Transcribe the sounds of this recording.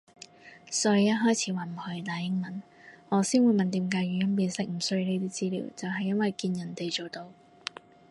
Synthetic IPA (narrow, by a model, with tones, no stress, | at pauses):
sɔ˧˥jjɐ˥t̚ɦɔː˥jt͡sʰiː˨˧waː˨˥nm̩˨˩hɵ˨˧jt̪aː˨˧jhɪ˥ŋmɐ˨˦n | ŋɔː˨˧siː˥nwuː˨˧jmɐ˨nt̪iː˨˥mkaː˧jyː˨jɐ˥npiː˧nsɪ˥k̚m̩˨˩sɵ˧ɥne˧˥t̪iː˥t͡siː˥lḭː˨˩wt͡sɐ˨wɦɐ˨jːɐ˥nwɐ˨jkiː˧njɐ˨˩nt̪e˨jt͡ʃo˨wt̪o˧w